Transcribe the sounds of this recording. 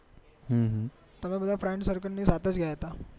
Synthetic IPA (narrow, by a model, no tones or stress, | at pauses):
ɦə̃ɦə̃ | t̪əmĩbəd̪ʱafɾɛɳʈsəɾkənnːiːd͡zat̪ət͡sɡʱjajet̪a